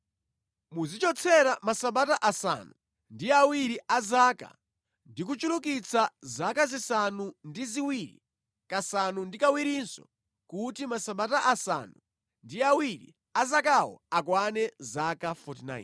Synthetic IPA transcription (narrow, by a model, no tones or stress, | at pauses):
muzit͡ʃɔt͡sʰɛɾamasaɓataʔasa̰nu | ndiawiɾiʔazaːka̰ | ndik̬ut͡ʃulukit͡sʰazakazisanundiziwiɾḭ | kasanundikawiɾinsɔ̰ | kutimasaɓataʔasa̰nu | ndiawiɾḭ | azakawɔ̰ak̬wanɛzakafɔtina̰ːj̰n